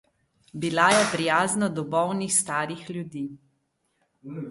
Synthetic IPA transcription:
bilajɛpɾijaːznɔd̪ɔbɔwnixst̪aːɾixlʲjud̪iː

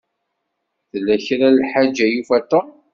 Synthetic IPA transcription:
θlːæçɾalħad͡ʒːæjufæt̪ːom

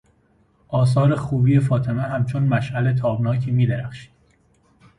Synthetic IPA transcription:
ʔɒːs̬ɒːɾe̞xuːbiːjefɒːt̪ʰe̞meɦæmt͡ʃʰonmæʃʔælet̪ʰɒːbnɒːcʰiːmiːd̪eɾæxʃi̥ːd̪̥

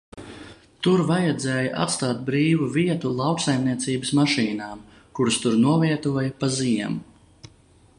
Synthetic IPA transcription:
t̪uɾvajad̪zɛːjaʔa̰t̪st̪aːt̪̚bɾiːvuviɛt̪ulˠɑwksajmniɛt̪siːbəsmaʃiːnaːm | kuɾst̪uɾnuɔviɛt̪uɔjɐpaziɛm

